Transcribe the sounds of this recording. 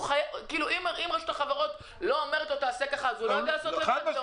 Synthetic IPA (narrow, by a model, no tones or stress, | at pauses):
ajkiːluimimʁaʃut̪aχaveʁo̞t | lo̞omeʁet̪lot̪aːsekaχaːzuloaɡalasot̪lea